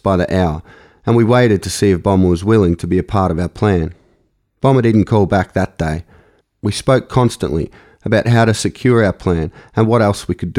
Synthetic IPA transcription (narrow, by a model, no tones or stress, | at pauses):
b̥aɪðiʔaʊə˞ | ɨ̃nwiweɪɾɨd̚tʰɨsiɨfb̥ɑ̃mwʌzwɪlˠɪ̃ŋtʰɨbiɨpʰɑɹɾʌvaʊə˞pʰl̥æ̃n | b̥ɑ̃mədɪdⁿn̩kʰɔlˠbæk̚ðɨt̚d̥eɪ | wispoʊkʰɑ̃nstə̰̃nʔlḭ | əbaʊt̚ɦaʊɾɨsɨkʰj̥ʊɹaʊə˞pʰl̥æ̃nɨ̃nwʌɾɛlˠswikʰɨd